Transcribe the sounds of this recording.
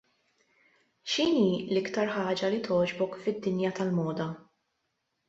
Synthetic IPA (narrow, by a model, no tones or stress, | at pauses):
ʃiːniːlɪkt̪ɐɾħɐːd͡ʒɐlit̪ʰɔːd͡ʒbɔkfɪd̪ːɪnjɐt̪ɐlmɔːd̪ɐ